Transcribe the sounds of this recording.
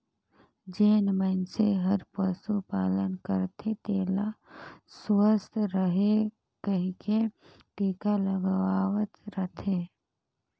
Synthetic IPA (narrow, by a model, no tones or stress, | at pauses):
d͡ʒeːnmənseɦəɾpəsupaːlənkəɾt̪ʰet̪eːlasʋəst̪ʰɾəɦe | kəɦike | ʈiːkaləɡʋaːʋət̪ɾət̪ʰeː